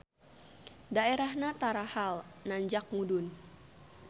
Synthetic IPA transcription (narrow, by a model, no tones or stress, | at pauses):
daeɾahɲat̪aɾahalnaɲd͡ʒak̚mudʊn